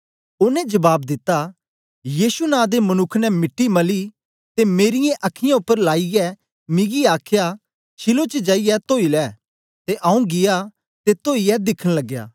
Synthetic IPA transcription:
ʊnɛ̃d͡ʒɐbaːb̚d̪ɪt̪ːa | jiːsunãːd̪emɐnʊkʰnɛmɪʈːimɐli | t̪emeːɾɪjẽʔɐkʰːɪjãʊpːəɾlaːiɛ | mɪ̃ɡiaːkʰja | t͡ʃʰɪlot͡ʃəd͡ʒaːijɛt̪oːilɛː | t̪eʔaũɡɪja | t̪et̪oːiɛd̪ɪkʰəñlɐɡja̰ː

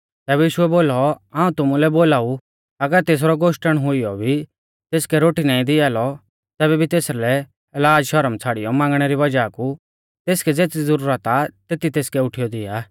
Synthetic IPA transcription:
t̪ɛːbɛjiːʃʊɛboːlɔãːũt̪ʊmulɛboːlaːu | ɐɡəɾt̪eːs̬ɾɔɡoːʃʈəɽ̃ɦʊijɔbʱi | t̪eːskɛɾoːʈinãːĩd̪ɪaːlɔ | t̪ɛːβɛbʱit̪eːslɛ | ɛlaːd͡ʒʃɐɾəmt͡sʰaːɽɪjɔmãːŋɡɽ̃ɛɾiʋɐd͡ʒaku | t̪eːskɛd͡zeːt͡sid͡zəɾuːɾət̪at̪eːt̪it̪eːskɛʊʈʰɪjɔd̪ɪa̰ː

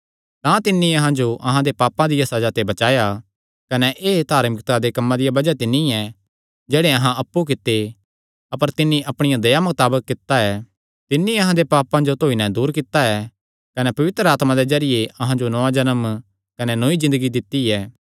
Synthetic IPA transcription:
t̪ãt̪ɪnːĩɐɦãd͡ʒoʔɐɦãd̪epaːpãd̪ɪjasɐd͡ʒat̪ebɐt͡ʃaːja | kɐnɛʔeːt̪aːɾmɪkt̪ad̪ekɐmːãd̪ɪjabɐd͡ʒat̪ɪnːĩɛ | d͡ʒɛːɽeɐɦãɐpːuk̬ɪt̪ːe | ɐpəɾt̪ɪnːĩʔɐpɽ̃ɪjãd̪ɐjamʊt̪aːbəkːɪt̪ːaɛ | t̪ɪnːĩɐɦãd̪epaːpãd͡ʒot̪oːinɛd̪uːɾkɪt̪ːaɛ | kɐnɛpɐʋɪt̪ɾəaːt̪mãd̪ezɐɾɪjeɐɦãd͡ʒonɔãd͡ʒɐnəm | kɐnɛnoːizɪ̃nd̪əɡid̪ɪt̪ːiɛː

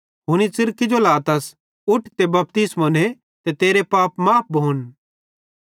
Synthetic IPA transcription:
ɦʊñisɪɾkid͡ʒolaːt̪ɐs | ʊʈt̪ebɐp̚t̪ɪsmone | t̪et̪eːɾepaːpmaːp̚ʰbʱoːn

